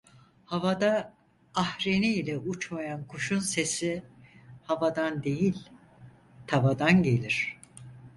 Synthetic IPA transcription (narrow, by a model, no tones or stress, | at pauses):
havad̪aː | hɾeniːlʲɛut͡ʃmajankʰuʃunse̞si | havad̪and̪e̞jilʲ | t̪ʰavad̪anɟe̞lʲiɾ̝̥